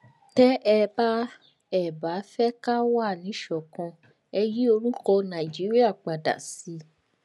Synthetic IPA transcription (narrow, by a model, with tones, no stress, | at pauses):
tɛ˦ʔɛ˧ba˦ | ɛ˦˨ba˨˦fɛ˦ka˦wa˦˨nĩ˨˦ʃɔ˨kã˧ | ɛ˧ji˦o˧ɾu˦kɔ˧nã˨i˨d͡ʒi˨˦ɾi˦a˦˨k͡pa˨da̰˨si˨˧˦